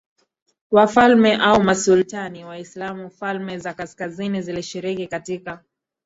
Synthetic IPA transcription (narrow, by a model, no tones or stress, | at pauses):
wafalmɛʔaumasultaniwaislamufalmɛzakaskaziniziliʃiɾikikatika